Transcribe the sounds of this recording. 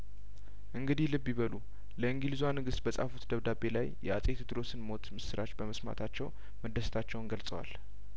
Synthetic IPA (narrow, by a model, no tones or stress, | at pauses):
ʔɨŋɡɨd̪ihlɨbːjiβəlu | ləɨŋɡilizwanɨɡɨst̪bəsʼa̰fut̪d̪əβd̪abe̞lajjɛasʼe̞t̪d̪ɨɾo̞sɨnmo̞t̪mɨsɨɾʔat͡ʃbəməsma̰t̪ʰat͡ʃːɛw | məd̪əst̪ʰat͡ʃːɛwnɡəlsʼəwa̰l